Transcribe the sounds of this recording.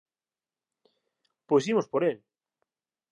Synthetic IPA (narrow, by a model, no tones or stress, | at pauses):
pojsimospoɾel